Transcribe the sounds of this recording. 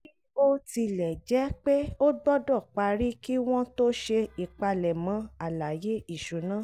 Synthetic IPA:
i˦o˦ti˧lɛ˨d͡ʒɛ˨˦k͡pe˦o˦ɡ͡bɔ˦dɔ˦˨k͡pa˧ɾi˦ki˦w̃ɔ̃˦to˦ʃe˧i˨k͡pa˧lɛ˨mã˧˦a˨la˨je˦i˦˨ʃu˨˦nã˦˨

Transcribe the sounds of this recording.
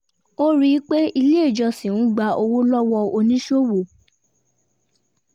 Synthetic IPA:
o˦ɾi˦k͡pe˦i˧le˦˨d͡ʒɔ˧sĩ˨ñ̩˦ɡ͡ba˧o˧wo˦lɔ˦wɔ˧o˧nĩ˦ʃo˦wo˨

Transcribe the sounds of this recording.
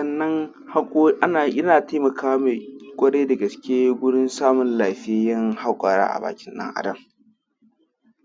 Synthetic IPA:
sɐ˦˨nːɐ˦ŋ | ha˦kʼːʔa˦na˨jɪ˦naː˨tʰa˦mɐ˨kʰaː˦wa˦me˨kʷʼɐ˦ɽe˦da˨ɡɐ˨skʲeː˦ɡʷʊ˦ɽɪ˦nsaː˦mʊ˨nlaː˨ɸɪ˦e˦jɐ˦ŋha˦kʷʼaː˨ɽa̰ː˦ʔa̰˨ba̰ː˨kʲɪ˦nɗɐ̰˦ŋʔa̰˨dɐ˦˨ŋ

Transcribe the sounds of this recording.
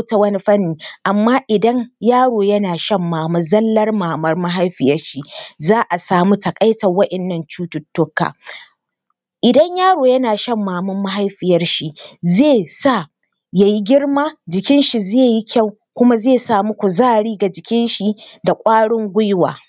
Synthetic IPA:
ta˨wɐ˦ni˦ɸɐ˦nːiː˨ʔa˨mːaː˦ʔɪ˨dɐ˦ɲjaː˦ɽoː˨jɐ˦naː˨ʃɐ˦mːaː˨mɐ˦zɐ˦lːɐ˦rmaː˨mɐ˦rma˦ɦa˦jɸɪ˨jɐ˦rʃi˦zaː˦ʔa˨saː˨mu˦tɐ˨kʼɐ˦jtɐ˨wɐ˦ʔɛ˨nːɐ˦˨nt͡ʃuː˦tʊ˨tːʊ˦kːa̰ː˨ | ʔɪ˨dɐ˦ɲjaː˦ɽoː˨jɐ˦naː˨ʃɐ˦mːaː˨mɐ˦mːa˦ɦa˦jɸɪ˨jɐ˦rʃi˦zeː˦˨sa˦˨ | ja˨ji˦ɡʲɪ˦ɽmaː˦d͡ʒɪ˨kʲɪ˦nʃi˨zeː˦˨ji˦kʲa˦˨w | kʷʊ˦ma˦zeː˦˨saː˨mu˦kʷu˨zaː˦ɽiː˦ɡa˨d͡ʒɪ˨kʲɪ˦nʃi˦da˨kʷʼaː˦ɽɪ˦ŋɡʷʊ˦jwa̰ː˨

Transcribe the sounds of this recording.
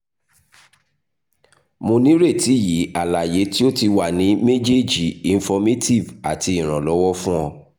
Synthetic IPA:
mõ˧nĩ˦ɾe˦˨ti˨˦˨ji˨˦a˨la˨je˨˦ti˦o˦ti˧wa˦˨nĩ˨˦me˦d͡ʒe˦˨d͡ʒi˨i˨n̩˦fɔ˧me˦ti˦˨va˨ti˧i˨ɾ̃ã˨lɔ˨˦wɔ˦fũ˦ɔ˧

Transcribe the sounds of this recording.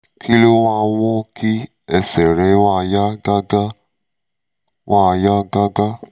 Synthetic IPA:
kʰi˦lo˦a˧˦wɔ˦ki˦ | ɛ˨sɛ˨ɾe˨˦wa˦˨ja˦ɡa˦ɡa˦ | wʔa˦˨ja˦ɡa˦ɡa˦

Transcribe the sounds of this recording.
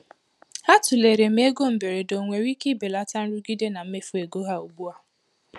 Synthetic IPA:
ha˦tʊ˨le˨ɾe˨m̩˦e˦ɡo˦m̩˨be˨ɾe˨do˨ŋʷe˨ɾi˦ki˦be˨la˦ta˦n̩˦ɾu˦ɡi˦de˦na˨m̩˦me˦fu˦e˨ɡo˦ɦa˦o˨bu˦a˦

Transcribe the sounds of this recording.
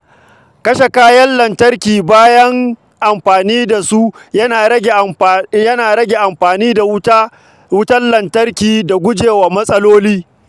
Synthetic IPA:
kɐ˦ʃe˨kaː˦jɐ˦nlɐ˨ntɐ˦rkʲiː˨baː˦jɐ˦ŋ | ʔa˨mɸaː˨niː˦da˨su˦jɐ˦naː˨ɐ˦ɡʲe˨jɐ˦naː˨ɾɐ˦ɡʲe˨ʔa˨mɸaː˨niː˦da˨w | wʊ˦tɐ˦nlɐ˨ntɐ˦rkʲiː˨da˨ɡʷʊ˦d͡ʒeː˨waː˨mɐ˦sʼɐ˦loː˦liː˦

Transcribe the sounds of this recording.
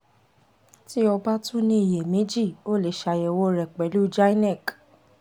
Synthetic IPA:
ti˦ɔ˧ba˦tũ˦nĩ˦i˦˨je˨mẽ˨˦d͡ʒi˦˨o˦˨le˨ʃa˧je˨wo˧˦ɾɛ˨k͡pɛ˨˦lu˦d͡ʒa˦i˦nɛ˦˨k

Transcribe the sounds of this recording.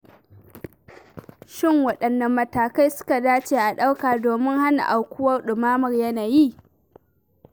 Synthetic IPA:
ʃɪ˦˨ŋwɐ˨ɗɐ˨nːɐ˨mːɐ˨taː˨ka˦jsʊ̥˦ka˨daː˦t͡ʃeː˨ʔa˨ɗa˦wkaː˨doː˨mɪ˦ŋha˦na̰˨ʔa˨wkʷʊ˦wɐ˦rɗʊ˨maː˦mɐ˨rjɐ˦naː˨ji˦

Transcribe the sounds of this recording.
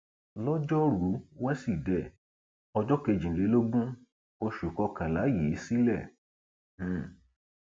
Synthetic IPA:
lɔ˦d͡ʒɔ˦ɾu˨˦wa˦si˦˨dɛ˦˨ | ɔ˧d͡ʒɔ˦ke˧d͡ʒĩ˨le˨˦lo˦ɡ͡bũ˦ | o˧ʃu˨kɔ˧kã˨la˨˦ji˨˦si˦lɛ̃˦˨˦

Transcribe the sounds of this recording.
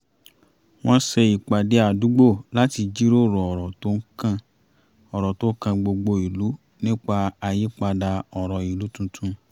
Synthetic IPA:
w̃ɔ̃˦sɛ˧i˨k͡pa˨de˨˦a˦˨du˨˦ɡ͡bo˦˨la˦ti˧d͡ʒi˦ɾo˦˨ɾɔ˨ɔ˨ɾɔ˨to˦ŋ̩˦kã˦˧ | ɔ˨ɾɔ˨to˦kã˧ɡ͡bo˧ɡ͡bo˧i˨lu˨˦ | nĩ˦k͡pa˧a˧ji˦k͡pa˧da˧ɔ˨ɾɔ˨i˨lu˨˦tũ˧tʰũ˧

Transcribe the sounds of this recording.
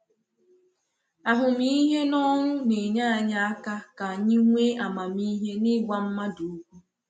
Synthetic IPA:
a˨ɦʊ˨mi˦ɦe˦nɔ˦ŋʷʊ˦ne˨ɲa˦a˨ɲa˦a˦ka˦ka˨ɲɪ˦ŋʷe˦ʔa˨ma˨mi˦ɦe˦nɪ˦ɡʷa˨m̩˦ma˦du˨u˦kʷu˦

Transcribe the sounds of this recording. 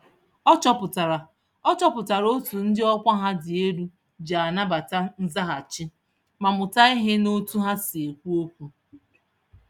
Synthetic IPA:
ɔ˦t͡ʃɔ˦pʊ˨ta˨ɾa˨ | ɔ˦t͡ʃɔ˦pʊ˨ta˨ɾo˦tu˨n̩˦dɪ˦ɔ˦kʷa˦ɦa˦dɪ˨e˦ɾu˦ | d͡ʒa˨a˨na˦ba˨ta˦n̩˦za˦ɦa˨t͡ʃɪ˦ | ma˨mʊ˨ta˦i˦ɦe˦no˦tu˦ɦa˦si˨e˨kʷu˦o˦kʷu˨

